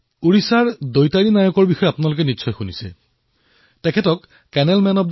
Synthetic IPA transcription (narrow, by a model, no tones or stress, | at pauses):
uɹisaɹdojtaɹinajɔkɔɹbixɔjɛapʊnalʊk̬ɛnitːsʰɔjxunisɛ̰ | tɛkʰɛtɔk | kɛnɛlmɛnɔp̚d